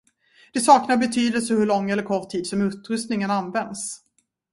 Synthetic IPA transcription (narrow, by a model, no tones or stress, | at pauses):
d̪̥ɛsɑːknaɾbɛt̪ʰyːd̪əlsəɦɵɭɔŋːɛlːəɾkʰɔʈʰːiːd̪sɔmɵt̪ɾɵst̪nɪŋənanːvɛnd̪s